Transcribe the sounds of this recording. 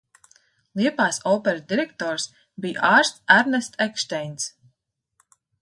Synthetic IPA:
lˠiɛpaːsɔːpɛɾd̪iɾɛk̚t̪ɔːɾs | biːʔaːɾst̪sæɾnɛst̪ʰɛkʃt̪ɛjns

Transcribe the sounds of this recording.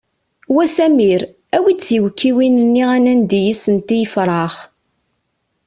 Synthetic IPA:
wæsæmiɾ | æwid̪θiwkːiwinənːiʁænænd̪ijisənt̪ijəfɾˤɑχ

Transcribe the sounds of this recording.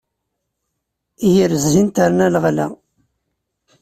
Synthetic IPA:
ijəɾəzːint̪aɾnælʁlæ̰

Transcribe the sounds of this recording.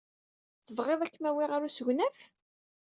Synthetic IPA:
θəvʁeðˤækːmæwɪʁaɾusəʝnæf

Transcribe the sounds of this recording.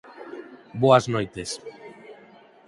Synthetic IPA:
boaznojt̪es

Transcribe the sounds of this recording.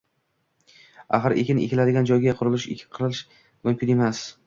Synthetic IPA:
a̰χɨɾʔḛkʲɪnḛkʲɪlad̪ɪɡʲand͡ʒɒjɡʲaqʰʊɾʊlˠɪʃḛkʲʰɪ̥qʰɨɾɪlɪʃ | mʊmkʲɪne̞mas

